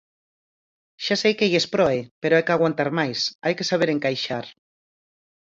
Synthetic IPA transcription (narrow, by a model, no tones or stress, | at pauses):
ʃasejkejespɾɔepeɾoajkaɣ̞want̪aɾmajsajkesaβ̞eɾeŋkajʃaɾ